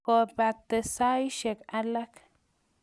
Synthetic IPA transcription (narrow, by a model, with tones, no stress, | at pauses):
o˧˨ba˨t̪e˧sa˦jʃe˨ka˦la˦k